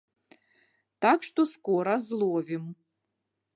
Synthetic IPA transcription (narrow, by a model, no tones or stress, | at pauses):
takʂt̪oskoɾazlˠovʲim